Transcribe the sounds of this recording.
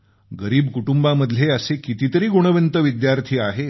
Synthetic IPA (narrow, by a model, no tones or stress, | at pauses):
ɡəɾiːbkuʈumbaməd̪ʱljeəsekit̪it̪əɾiːɡoɽ̃əʋent̪əʋid̪jaɾt̪ʰiːaɦe